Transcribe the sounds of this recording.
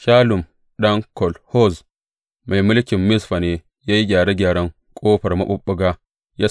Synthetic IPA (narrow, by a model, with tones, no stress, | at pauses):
ʃaː˦lʊ˨m | ɗɐ˦ŋkɔ˨lho˦z | mʔa˨jmʊ˦lkʲɪ˨mːɪ˦sɸa˨ne˨ | ja˦ji˦ɡʲaː˨ɾe˦ɡʲaː˨ɽɐ˦ŋ | kʼoː˦ɸɐ˨ɾma˦ɓʊ˦ɓːu˦ɡa˦ | ja˦